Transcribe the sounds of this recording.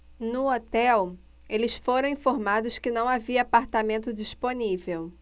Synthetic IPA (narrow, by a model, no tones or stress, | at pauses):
nʊot̪ɛw | elɪsfoɾɐ̃w̃ĩfoɾmad̪ʊskɪnɐ̃w̃aviɐːpaɾt̪amẽnt̪ʊd͡ʒisponivew